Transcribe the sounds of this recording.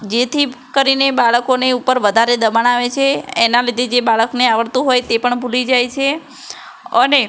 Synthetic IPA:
d͡ʒet̪ʰikəɾinebaɭəkoneupəɾʋəd̪ʱaɾed̪əmaɳ̃aʋet͡ʃʰeːnalid̪ʱed͡ʒebaɭəkneaʋəɭt̪ũɦojt̪epəɳbʱulid͡ʒajt͡ʃʰe | əne

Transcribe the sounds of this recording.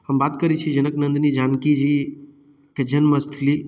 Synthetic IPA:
ɦəmbaːt̪kəɾit͡ʃʰid͡ʒɐnəknənd̪nid͡ʒankid͡ʒi | ked͡ʒənməst̪ʰli

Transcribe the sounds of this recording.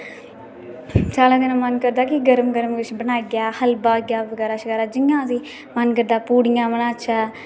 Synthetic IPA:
t͡ʃaːlãːd̪ɪnãːmənkəɾd̪aːkɪɡəɾəmɡəɾmʋɪt͡ʃʰbənaːiɡjaːhəlbaːɡjaːʋəɡɛːɾaːʃəkaːɾaːd͡ʒɪŋːãːziː | mənkəɾd̪aːpuːɽɪjãːmənãːt͡ʃʰɛː

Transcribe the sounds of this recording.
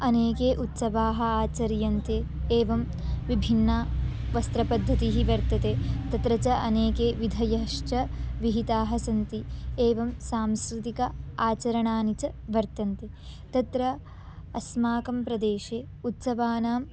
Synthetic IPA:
ɐneːkeːʔut̪sɐʋaːɦɐ̆aːt͡ʃɐɾjɐnt̪eː | eːʋɐm | ʋibʱinːaː | ʋɐst̪ɾɐpɐd̪ʱːɐt̪iɦiʋɐɾt̪ɐt̪eːt̪ɐt̪ɾɐt͡ʃɐʔɐneːkeːʋid̪ʱɐjɐɦɐʂt͡ʃɐʋiɦit̪aːɦɐsɐnt̪ieːʋɐmsaːmskɾit̪ikɐaːt͡ʃɐɾɐɳaːnit͡ʃɐʋɐɾt̪ɐnt̪e | t̪ɐt̪ɾɐ | ɐsmaːkɐmpɾɐd̪eːʃeː | ut̪sɐʋaːnaːm

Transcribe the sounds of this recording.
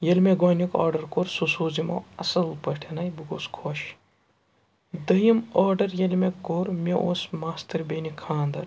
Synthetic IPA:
jɐlʲmeɡoːnika̰ːɾɖɐɾkoɾsusuːzimɐ̰ɐsɐlpɐʈʰenɐjbuɡoːskʰoːʃ | d̪ɐjimɔːɖɐɾjɐlʲmekoːɾmʲeʔoːsmaːst̪ɐɾbenikʰaːnd̪ɐɾ

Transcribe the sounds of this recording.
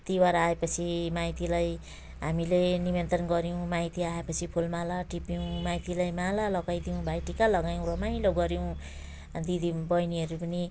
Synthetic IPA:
t̪iwaɾaaepʌt͡sʰimajt̪ilaj | ɦamilenibent̪ɾʌnɡʌɾjõw̃majt̪iaepʌt͡sʰipʰulmalaʈipjow̃majt̪ilajmalalʌɡajd̪iũbajʈikalʌɡajw̃rʌmaĩloɡʌɾjow̃ | d̪id̪ibʌjniɦʌɾupʌni

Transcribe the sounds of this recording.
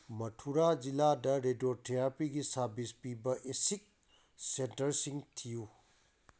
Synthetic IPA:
mɐtʰuɾad͡ʒiladɐɾedotʰeɾapiɡisɐɾbispibɐʔesik̚ | sentɐɾsiŋtʰiju

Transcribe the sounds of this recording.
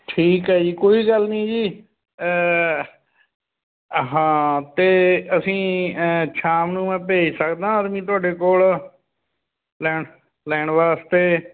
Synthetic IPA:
ʈʰiːkɦɛːd͡ʒiːkoːiːɡəlnĩːd͡ʒiː | ɦãːt̪eːəsĩːt͡ʃʰaːmnũːmɛ̃ːp̬eːsəkd̪ãːəd̪mĩːt̪ʊaːɖeːkoːl | lɛːɳ | lɛːɳʋaːst̪eː

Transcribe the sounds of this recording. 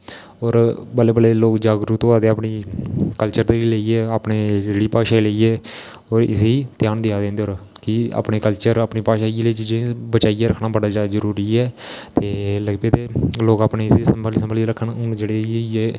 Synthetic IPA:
oːɾbəlːeːbəleːloːkd͡ʒaːɡɾuːt̪oːaːd̪eːaːpniːkəlt͡ʃəɾd̪eːɾiːleiːeːaːpneːɾeɽiːpaːʃaːileiːɛː | ɔːɾɪ̰seːiːt̪jaːnd̪ɪjaːd̪ẽːnd̪eoːɾkɪa̰ːpɳeːkəlt͡ʃəɾaːpɳiːpaːʃaːileːt͡ʃiːd͡ʒẽbət͡ʃaːiːeːɾəkʰnaːbəɽaːd͡ʒaːd̪azəɾuːɾiːɛːt̪eːləɡpeːt̪eːloːkaːpneːsesəmblisəmbaliːɾəkʰːənʊd͡ʒeːɽeːeeː

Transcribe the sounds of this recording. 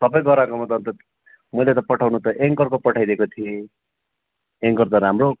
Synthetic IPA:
t̪ʌpʌj̃ɡʌɾakomʌt̪ʌnt̪ʌ | mʌjlet̪ʌpʌʈʰawnut̪ʌʔeŋkʌrkopʌʈʰajd̪eekot̪ʰie | eŋkʌrt̪ʌɾamro

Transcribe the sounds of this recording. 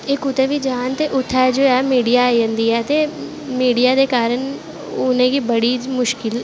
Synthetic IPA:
ekʊt̪eʋid͡ʒaːnt̪eʔʊt̪ʰad͡ʒoːɛmiːɖijaiə̃nd̪iɛt̪e | miːɖijad̪ekaːɾəɳ̃ | ʊnẽkibɐɽimʊʃkɪl

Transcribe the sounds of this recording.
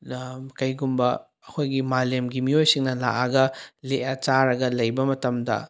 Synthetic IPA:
kɐjɡumbɐ | ɐkʰojɡimalemɡimiojsiŋnɐla̰ʔɐɡɐleʔɐt͡ʃaɾɐɡɐlɐjbɐmɐtɐmdɐ̰

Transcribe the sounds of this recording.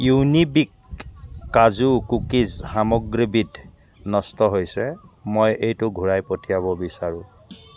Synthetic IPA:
junibikː | azukukizhamɔɡɹibidʱ | nɔstɔɦojsɛmojejtʊɡʱuɹajpɔtʰijaβɔbisaɹʊ̃

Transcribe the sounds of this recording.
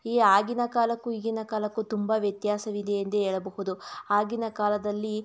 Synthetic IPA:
iːaːɡinɐkaːlɐkːuiɡinɐkaːlɐkːut̪umbɐʋjɐt̪jaːsɐʋid̪eɐnt̪eeːɭɐbɐɦud̪uaːɡinɐkaːlɐd̪ɐlːi

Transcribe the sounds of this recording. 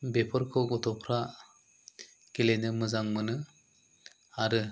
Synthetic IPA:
bepʰɔɾkʰɔɡɔt̪ʰɔpʰɾa | kelenɯmɯzaŋmɯnɯ | aɾɯ

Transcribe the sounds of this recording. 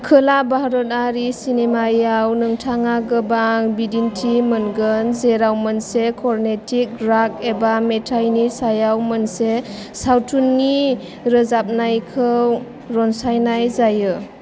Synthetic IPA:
kʰɯlabaɦɾɔt̚aɾisinemajawnɯŋtʰaŋaɡɯbaŋbidintʰimənɡənzeɾawmənsekʰɔɾnetʰik̚ɾak̚ebametʰajnisajawmənse | sawtʰunːi | ɾəzap̚najkʰɯw | ɾɔnsajnajzajɯ

